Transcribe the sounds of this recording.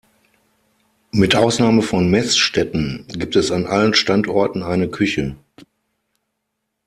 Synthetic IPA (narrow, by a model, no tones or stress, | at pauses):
mɪtʔaʊsnaːməfɔnmɛsʃtɛtn̩ɡiːp̚tɛsanʔa̰lənʃtantʔɔɐtn̩aɪnəkʰʏçə